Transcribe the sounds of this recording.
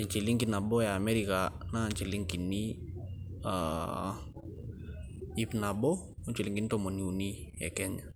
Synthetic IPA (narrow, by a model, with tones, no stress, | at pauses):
i˨ɲt͡ʃi˨li˦ŋki˦na˨bo˦jaː˨mɛ˦ɾika˨na˦˨ɲt͡ʃi˨li˦ŋki˨nːi˦ | a̰ | i˦pna˨bɔ˦ | u˦ɲt͡ʃi˨li˨ŋki˨n˦tɔ˦mo˨niu˨ni˦jḛ˨kɛɲa˨